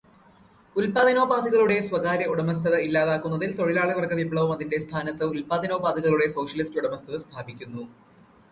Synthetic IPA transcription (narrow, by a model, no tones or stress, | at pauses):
ulpaːd̪ʱɐno̞ːbaːd̪iɣɐɭuɽe̞sʋɐɡaːɾɐuɽɐmɐs̬t̪ʰɐðɐilːaːðaːkːunːɐðilt̪o̞ɻilaːɭiʋɐrkɐʋibɭɐʋɐmɐðinɖe̞st̪ʰaːnɐt̪ːɨulpaːd̪ʱɐno̞ːbaːd̪ʱiɣɐɭuɽe̞so̞ːʂɐlistuɽɐmɐst̪ʰɐðɐst̪ʰaːbikʲːunːu